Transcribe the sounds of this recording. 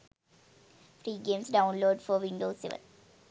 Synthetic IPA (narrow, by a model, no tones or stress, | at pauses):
fɾiːɡẽːmsɖãʊ̃nloːɖfɔɾʋɪ̃ɳɖoːsɪ̰ʋə̰l